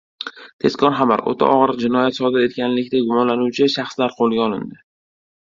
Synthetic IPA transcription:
t̪ʰe̞skʲʰɒnχaba̰ɾo̰t̪ʰa̰ʔɒʁɾɨqd͡ʒɪnɒjat̪sɒd̪ɪɾe̞t̪̚kʲanlɪkʲt̪aɡʊmɒnlanuwt͡ʃʰɪʃaχslaɾqʰolˠɡʲaɒlˠɪ̰nd̪ɪ

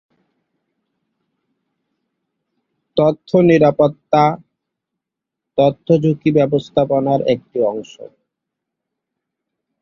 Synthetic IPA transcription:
t̪ot̪ʰːoniɾapot̪ːa | t̪ot̪ʰːod͡ʑʱukibɛbost̪ʰaponaɾek̚ʈiɔŋʃo̰

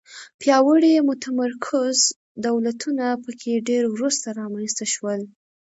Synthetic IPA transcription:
pjɑwəɽimʊt̪amaɾkʰʊz | d̪awlat̪ʰunapəkʰeɖeɾwɾust̪aɾɑmanst̪aʃwəl

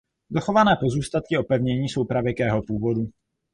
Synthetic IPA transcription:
zoxo̞vanɛːpo̞zuːst̪at̪̚kɪo̞pɛvɲɛɲiːso̞wpɾavjɛkɛːɦo̞puːvo̞du

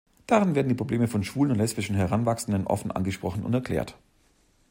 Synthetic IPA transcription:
d̥aʁɪnveːɐdn̩diːpʁ̥obleːməfɔnʃv̥uːlənʊntlɛspɪʃn̩ɦɛʁanvaksn̩dənʔɔ̰fn̩ʔa̰nɡəʃpʁ̥ɔχn̩ʔʊ̰ntɛɐkʰlɛ̰ːɐt

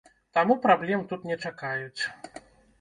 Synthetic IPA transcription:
t̪amupɾablʲɛmt̪ut̪nʲɛt͡ʂakajut͡ʂ

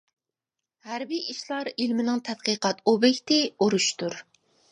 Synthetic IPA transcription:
hæɾbiʔiʃlˠɑɾilmɪnɪŋt̪ʰɛd̪̥̚qəqɑt̪obɛkʲt̪ɪoɾuʃt̪uɾ

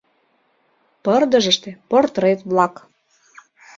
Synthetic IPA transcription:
pərd̪əʒəʃt̪ĕport̪ɾet̪βlɑk

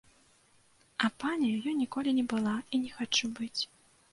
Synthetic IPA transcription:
ɐpanʲɛjajɔnʲikɔlʲinʲɛbɨlˠainʲɛxat͡ʂubɨt͡sʲ

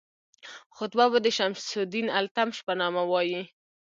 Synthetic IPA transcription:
xʊt̪babəd̪əʃamʃsud̪inalt̪amʃpanɑmawɑji

